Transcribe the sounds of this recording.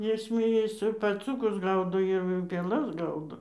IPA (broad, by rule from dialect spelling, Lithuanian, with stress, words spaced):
ˈjɪs zʲmʲeːˈjɛs ɪ pɐˈt͡suːkʊs ˈɡɐʊdoː ɪr pʲeːˈlˠɐs ˈɡɐʊdoː